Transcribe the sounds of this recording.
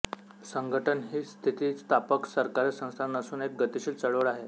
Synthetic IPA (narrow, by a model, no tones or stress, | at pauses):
səŋɡəʈənɦiːst̪ʰit̪iːt͡st̪apəksəɾkaɾesə̃w̃st̪ʰanəsuːnek̚ɡət̪iɕiːlt͡səɭʋɭaɦe